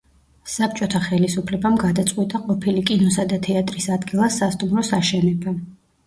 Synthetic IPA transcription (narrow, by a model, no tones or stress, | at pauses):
sap̚ʰt͡ʃʼɔt̪ʰaχɛlisupʰlɛbamɡad̪at̪sʼqʼwit̪ʼaqʼɔpʰilikʼinɔsad̪at̪ʰɛat̪ʼɾisad̪ɡilˠasːast̪ʼumɾɔsaʃɛnɛba